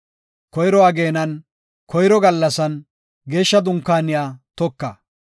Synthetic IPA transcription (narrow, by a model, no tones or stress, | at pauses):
kɔjɾɔwaːɡe̞ːnɐn | kʰɔjɾɔɡɐlːɐsɐn | ɡe̞ːʃːɐd̪ʊŋkːaːnɪjaːt̪ɔkːɐ